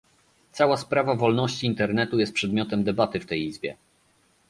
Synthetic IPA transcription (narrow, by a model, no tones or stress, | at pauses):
t̪sawaspɾavavɔlnɔɕt͡ɕiːnt̪ɛɾnɛt̪ujɛst̪pʂɛd̪mʲjɔt̪ɛmd̪ɛbat̪ɘft̪ɛjizbʲjɛ̰